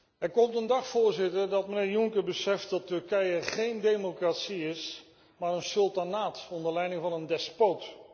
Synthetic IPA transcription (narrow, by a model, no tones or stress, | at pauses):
ɛɹkɔmtəndɑχfʊːɹzɪtəɹdɑt̚mənɪːɹjʊŋkəɹbəsɛft̚dɑtːɵɹkɛjəχejndejmokraːtsiɪs | maːɹənsɵlˠtanaːtɔndəɹlɛjnɪŋvɑnəndɛspowt